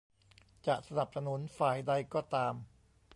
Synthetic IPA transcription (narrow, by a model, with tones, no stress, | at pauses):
t͡ɕa˨˩ʔsa˧na˨˩p̚sa˧nu˩˦˥nfaː˨˩jda˧jkɔː˥˩t̪aː˧m